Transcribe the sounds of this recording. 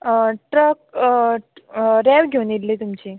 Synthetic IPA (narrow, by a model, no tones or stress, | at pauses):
ʈɾək | ɾɛʋɡʱewnit̪liːt̪umt͡ɕiː